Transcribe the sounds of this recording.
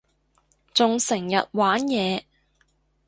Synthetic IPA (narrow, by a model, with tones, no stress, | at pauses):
t͡sʊ˨ŋsɪ˨˩ŋjɐ˨t̚waː˨˥njɛː˨˧